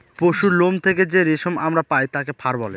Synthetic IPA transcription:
poʃulomt̪ʰeked͡ʑeɾiʃomamɾapajt̪akepʰaɾbɔle

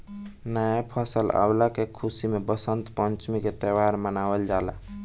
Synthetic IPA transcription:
nəjapʰəsəla̰wlakekʰusimebəsənt̪pənt͡ʃmiket̪əwaɾmənabəld͡ʒala̰

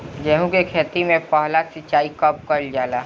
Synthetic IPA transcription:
d͡ʒɛːɦũkekʰeːt̪imẽpaɦlasɪt͡ʃaːikɐp̚kɐld͡ʒaːlaː

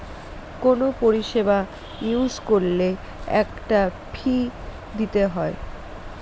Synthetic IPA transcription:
konopoɾiʃeba | iuzkolle | ɛkʈafʰi | d̪it̪eɦɔe

